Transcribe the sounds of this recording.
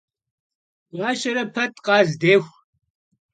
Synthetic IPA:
ʁɑːʃɐɾɐpʰɐtʰʼqɑːzdeːxʷ

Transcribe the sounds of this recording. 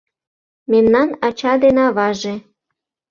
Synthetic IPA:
memnɑnɑt͡ɕɑd̪enɑβɑʒe

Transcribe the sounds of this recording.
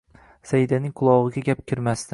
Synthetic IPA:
sajɪd̪anɪŋqʰʊlˠɒʁɨɡʲaɡʲap̚kʲʰɪɾmast̪ɪ

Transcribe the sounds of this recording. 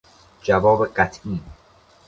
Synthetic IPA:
d͡ʒævɒːbeɢæt̪ʰʔiːn

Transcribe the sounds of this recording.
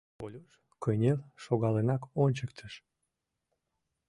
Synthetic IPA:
olʲoʃ | køjnʲelʃoɣɑlenɑkonʲt͡ɕək̚t̪ʰəʃ

